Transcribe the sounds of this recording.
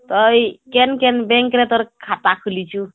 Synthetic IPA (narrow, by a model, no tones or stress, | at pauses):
t̪ɔjkenkenbeŋkɾet̪ɔɾkʰat̪akʰulit͡ʃʰu